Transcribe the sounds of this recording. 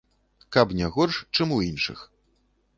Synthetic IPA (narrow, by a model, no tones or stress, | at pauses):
kapnʲɛɣɔrʂt͡ʂɨmuinʂɨ̰x